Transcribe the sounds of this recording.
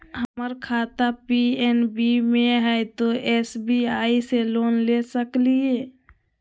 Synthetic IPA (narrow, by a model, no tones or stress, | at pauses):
ɦəməɾkʰaːt̪apiɛnbimẽɦɛt̪oʔɛːsbiaːiseloːnlesəklieː